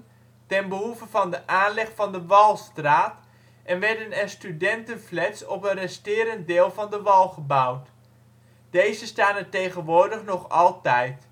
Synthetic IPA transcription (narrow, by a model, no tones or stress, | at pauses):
tɛnbəɦuvəvɑndəʔaːnlɛχfɑndəʋɑlˠstraːt | ʔɛnʋɛɹdənɛrstydɛntənvlɛtsɔ̰pənrɛstɪːɾəntdɪːlˠvɑndəʋɑlˠχəbʌwt | d̥ejzəstaːnətejχənʋʊːɹdəχnɔχɑlˠtɛjt